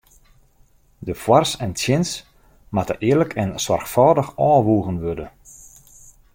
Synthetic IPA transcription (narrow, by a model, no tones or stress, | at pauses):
dəfwarsɛntʰjɪns | matə̰ʔɪːələkʰɛnswɔrxfɔːdəxɔːʋuəɣənʋødə